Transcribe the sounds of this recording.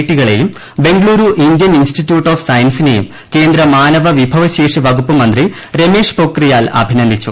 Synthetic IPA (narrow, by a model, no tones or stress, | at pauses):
ʈːiɣɐɭejum | be̞ŋɡɭuːɾuʔind̪jɐninsʈitjuːʈːoːfsɐjɐnsinejum | ke̞ːnd̪ɾɐmaːnɐʋɐʋibʱɐʋɐɕeːʂiʋɐɡʱupːɐmɐnd̪ri | ɾe̞me̞ːʂpoːkrijaːlɐ̰bʱinɐnd̪ʱit͡ɕːu